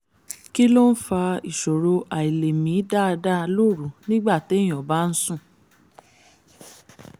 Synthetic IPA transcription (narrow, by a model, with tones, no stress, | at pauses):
ki˦lo˦n̩˦fa˧i˨ʃo˨ɾo˧ʔa˨i˨le˨mĩ˨˦da˦˨˧da˦˧lo˦˨ɾu˨˦nĩ˦ɡ͡ba˦˨te˦j̃ɔ˨ba˦n̩˦sũ˦˨